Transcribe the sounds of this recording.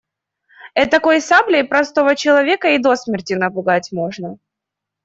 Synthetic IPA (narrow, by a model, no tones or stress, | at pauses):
ɛt̪ːɐko̞jsablʲɪpɾɐst̪o̞vət͡ɕɪlˠɐvʲe̞kəid̪o̞smʲɪrtʲɪnəpʊɡatʲmo̞ʐnə